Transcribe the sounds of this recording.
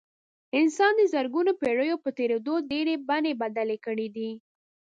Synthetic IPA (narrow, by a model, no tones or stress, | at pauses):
ɪnsɑnd̪əzəɾɡunopeɽəjopət̪eɾed̪oɖeɾebanebad̪alekəɽid̪i